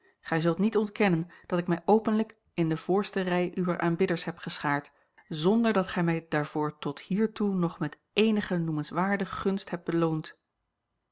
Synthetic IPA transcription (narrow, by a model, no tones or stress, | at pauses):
χɛjzɵlˠtnitɔntkɛnənd̥ɑtɪkmɛjʔowpənlək | ɪndəv̥ʊːɹstərɛjʔyʋəɹʔaːnbɪdəɹsɦɛptχəsχaːɹt | zɔndəɹdɑtχɛjmɛjdaːɹvʊːɹtɔthiːɹtunɔχmɛt | ejnəχənumənsʋaːɹdəχɵnstɦɛp̚bəlownt